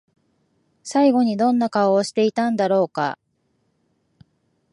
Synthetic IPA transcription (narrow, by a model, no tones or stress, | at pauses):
saiɡo̞ɲ̟id̪õ̞nːakaoːɕi̥t̪e̞it̪ãnd̪aɾo̞ːka̰